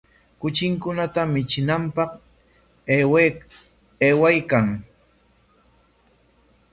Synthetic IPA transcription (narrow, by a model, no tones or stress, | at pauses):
kʊt͡ʃɪŋkʊnat̪amɪt͡ʃɪnampɑq | eːwajkaŋ